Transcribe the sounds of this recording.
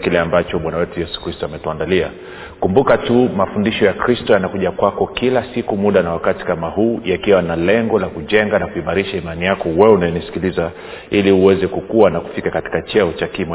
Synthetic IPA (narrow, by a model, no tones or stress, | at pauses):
kilɛambat͡ʃɔɓwanawɛtujɛsu̥kɾistɔamɛtuandalia̰ | kumbukatumafundiʃɔjakɾistɔjanakuʄakwakɔkilasikumuɗanawakati̥kamahuːjakiwanalɛŋɡɔlakuʄɛŋɡanakuimaɾiʃaimanijakɔwɛunajɛnisi̥kiliza | iliuwɛzɛkukuwanaku̥fikakati̥kat͡ʃɛɔt͡ʃakim